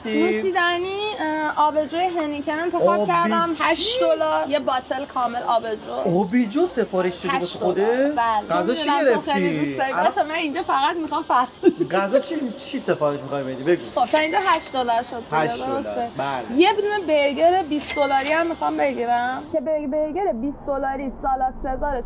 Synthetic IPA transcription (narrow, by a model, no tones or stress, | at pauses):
t̪iusid̪æniɒːbed͡ʒojeɦenikʰenent̪ʰeɒbkʰæɾæmhæʃd̪olɒɾjebɒːt̪ʰelkʰɒːme̞lɒːbed͡ʒoobid͡ʒosefɒːɾeʃʃobosuxod̪ebælɡæzɔʃeæeɾefeniust̪æɾit̪ɒmænind͡ʒɒfæɣæt̪mixɒmfæɾɡæzɒt͡ʃʰit͡ʃʰisefɒːɾeʃmixɒjbed̪ibeɡuxob̚t̪ʰɒĩnd͡ʒɒɦæʃd̪olɒɾʃod̪ʃdd̪oɾost̪ebælejebd̪umebeɾɡeɾebisd̪olɒːɾiæmːixɒmbe̞ɟiɾæmcʲʰebebeɾɡeɾebisd̪olɒːɾisɒːlɒsezɒːɾe